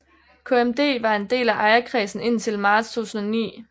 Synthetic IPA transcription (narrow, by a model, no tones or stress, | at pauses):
kʰo̝emd̥e̝̰ːʋɑ̈e̝nd̥e̝̰ːlæʔɑ̈ɪɐkʰʁɛːsn̩e̝n̰t͡sʰe̝lmɑ̈ːd̥st͡sʰṵːsn̩ɔnḭː